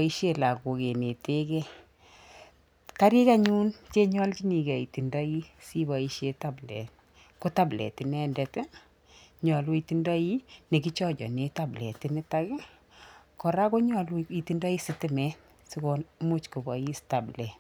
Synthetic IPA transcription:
i˦ʃe˦la˨ko˨ke˨ne˨te˦kɛ˦ | ka˦ɾi˦ka˦ɲu˦nt͡ʃe˦ɲɔ˦lki˦ni˨kɛ˨i˨ti˨ndɔ˦i˦si˦bɔ˨i˦ʃe˦ta˦blɛ̰˨t | ko˦ta˦blɛ̰˨ti˨nɛ˦ndɛ˨t | ɲɔ˨lwi˧ti˦ndɔ˦i˦ne˨k̬i˦t͡ʃɔ˦d͡ʒɔ̰˨ne˨ta˦blɛ̰˨ti˨nɪ˦ta˦kɪ˦ | kɔ˨ɾa˦ko˦ɲɔ˨li˨ti˨ndɔ˦i˦sɪ˦tɪ˦mɛ˦ | si˦kɔ˦mu˦t͡ʃko˨bɔ˨i˦sta˨blɛ˨n

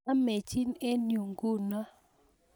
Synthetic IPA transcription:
a˦me˨t͡ʃi˦ne˦nju˨ŋɡu˦˨na˦

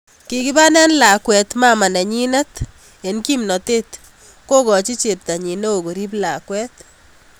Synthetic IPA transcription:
kɪ˨kɪ˦ba˦nɛ˦nla˨kwɛ˨t̪ma˦ma˨na˨ɲi˦na˦t̪ | e˨nki˦mnɔ˨te˦t̪ | ko˦kɔ˨t͡ʃi˦t͡ʃe˨p̚ta˨ɲi˨no˦o˨ɡo˨ɾi˦pla˨kwɛ˦t̪

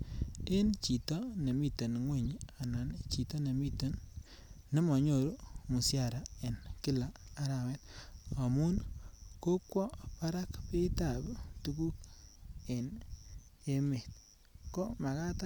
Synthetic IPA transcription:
e˦nt͡ʃi˨tɔ˦ne˨mi˦to˨nŋwe˦˨ɲa˨na˨nt͡ʃi˨to˦ne˨mi˦to˨nː | e˦mɔ˨ɲo˨ɾo˦mu˨sja˨ɾa˨e˨nkɪ˦laː˨˦ɾa˨wɛ˦ta˨mu˦nko˦kwɔ˦pa˦ɾa˦kpe˦ta˨btu˦ku˦k̚ | e˨n | e˦me˨t̚ | ko˦ma˨ka˦ta˦

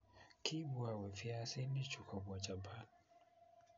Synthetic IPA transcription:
kʰi˦bwa˨wɛ˨fi˦a˦sɛ˦ni˦t͡ʃu˨ka˨ba˨t͡ʃa˨ba˦

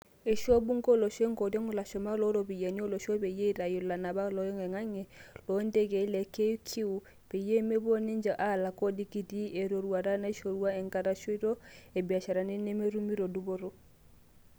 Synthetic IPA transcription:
e˨ʃo˦bu˦ŋɡo˦lo˨ʃe˦ŋɡo˨dɔ˦ŋ˨la˨ʃɔ˨ma˦lɔ˦ɾo˨bi˨ja˨ni˦o˦lo˨ʃo˦be˨je˦i˦ɾa˨ju˨la˨na˨ba˦lɔ˦jɔ˦ŋe˨ŋa˦ŋe˨lo˨˦nde˦ɡe˨˦le˨ke˦kʰi˦u˨ | b̥e˨je˦me˦bo˦ni˦ɲd͡ʒa˨ʔa˦˨la˨ko˦di˦ki˦di˦e˨ɾo˨ɾu˨a˨ɾa˦na˦i˦ʃo˨ɾu˦a˦e˨ŋka˦ɾa˦ʃɔ˦i˦ɾo˦e˨bi˨a˨ʃa˨ɾa˨ne˦ne˦me˦ɾu˦mi˦ɾo˨du˦bo˦ɾo˦

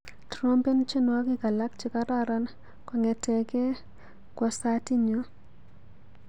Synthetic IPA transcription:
tɾo˦mpe˦nt͡ʃe˦nwa˦kɪ˦ka˨la˦kt͡ʃɪ˦ka˦ɾaɾa˦n | kɔ˨ŋɛ˨tɛ˨kɛ˦ | kwɔ˨sa˦ti˦ɲo˦

